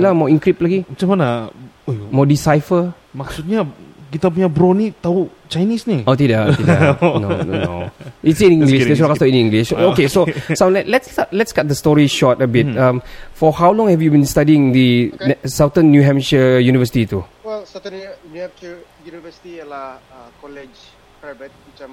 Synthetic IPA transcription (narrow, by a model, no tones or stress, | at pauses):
lamɔĩŋkɹip̚laɡimət͡ʃamana | mɔdisajfə | maksut̪̚ɲakit̪ap̬uɲabɾɔnit̪au | t͡ʃajnisniot̪idatidano̰no̰no̰itsĩnĩŋɡlitsɹakastəĩnĩŋɡliʃokesosalɛʔlɛtsatlɛtsɡat̚dəstɔɹiʃɔtəbit̚ãmfɔhawlɔ̃ŋhɛvjubĩnstadiɪ̃ŋdisawtə̃nːjuɦɛ̃mʃəjunivəsitit̪uwɛlsawt̪ə̃nnuhɛmʃəjunivəsi̥t̪ijəlahakɔlɛd͡ʒ | pabɛt̚it͡ʃəm